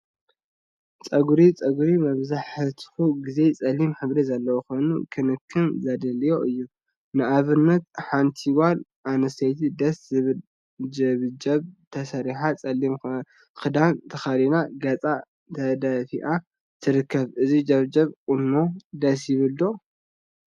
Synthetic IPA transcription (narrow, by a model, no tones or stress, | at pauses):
t͡sʼɐɡɾit͡sʼɐɡuɾimɐβzaħɨt̪ʰxuɡize̞t͡sʼɐlːimħɨβɾezɐlːɐwuxo̞jnukʰɨnɨkʰːɨnzɐd̪ɐlijo̞ʔɨjːu | nɨʔaβɨnːɐt̪̚ħant̪ʰiwalʔanɐst̪ʰɐjt̪ʰid̪ɐszɨβl | d͡ʒɐβd͡ʒɐβt̪ʰɐsɐɾiħat͡sʼɐlːim | xɨd̪ant̪ʰɐxɐlinaɡɐt͡sʼa | t̪ʰɐd̪afiʔa | t̪ʰɨɾɨkːɐβʔɨzid͡ʒɐβd͡ʒɐβkʼunːo̞d̪ɐs̬jɪβɨld̪o̞